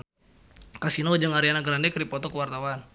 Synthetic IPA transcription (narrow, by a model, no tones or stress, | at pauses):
kasinowd͡ʒəŋaɾianaɡɾandɛkɾipɔt̪ɔkəwart̪awan